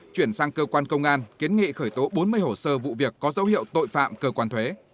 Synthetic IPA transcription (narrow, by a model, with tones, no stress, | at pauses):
t͡ɕwi˧˩ənsaː˧ŋkəː˧kwaː˧nkə˧wŋ͡mʔaː˧nki˨˦ənŋḭ˧˨xəː˧˩jt̪o˨˦ɓo˨˦nmɨ˧əjho˧˩səː˧vṵ˧˨vi˨˩əkːɔ˨˦zə˨˦whḭ˧˨əwt̪o̰˧˨jfa̰ː˧˨mkəː˧kwaː˧nt̪ʰwe˨˦